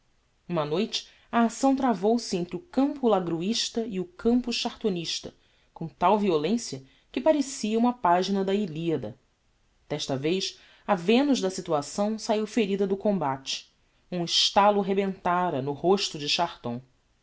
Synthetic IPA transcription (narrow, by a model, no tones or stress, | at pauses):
ũmɐnojt͡ʃɪ̥ | ɐːsɐ̃w̃t̪ɾavowsɪẽnt̪ɾɪʊkɐ̃mpʊlaɡɾuiʃt̪ɐiʊkʰɐ̃mpʊʃʃaɾt̪oniʃt̪ɐ̰ | kõt̪awviolẽsjɐ | kɪpaɾesiɐũmɐpaʒinɐd̪ɐiliɐd̪ɐ̰ | d̪̥ɛʃt̪ɐvejʃ | ɐvẽnʊʒd̪ɐsit̪uasɐ̃w̃saiwfeɾid̪ɐd̪ʊkõmbat͡ʃɪ̥ | ũɪʃt̪alʊɦebẽnt̪aɾɐnʊhoʃt̪ʊd͡ʒɪʃaɾt̪õ̰w̃